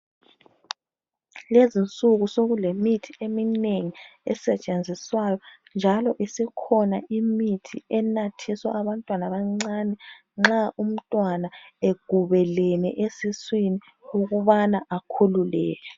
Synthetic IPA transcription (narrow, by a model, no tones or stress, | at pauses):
lezint͡sʼuɣusoɣulemitʰiemineŋiɛ̰sɛt͡ʃʼend͡zʱiswajɔ | nd͡ʒʱalɔʔisikʰɔnaʔimitʰḭɛnatʰiswa̰ʔaβantʼwanaβaŋ͡ǀaːnɛ | ŋ͡ǁaum̩tʼwanaeɡ̥ʱuβɛlɛnɛ̰ʔesiswini | uɣuβanaʔakʰululɛ̰ːlɛ